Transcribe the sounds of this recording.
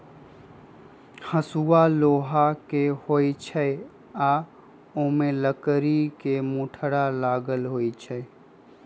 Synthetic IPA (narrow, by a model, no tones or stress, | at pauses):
həsualoːɦakehoit͡ʃʰəe | a | omẽləkɾikemuʈʰəɽalaːɡəlɦoːit͡ʃʰə